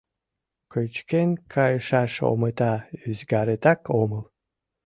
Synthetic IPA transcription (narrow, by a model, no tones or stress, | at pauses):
kət͡ɕkenʲkʰɑjəʃɑʃo̰mət̪ɑyzɡaɾet̪ɑkʰoməlˠ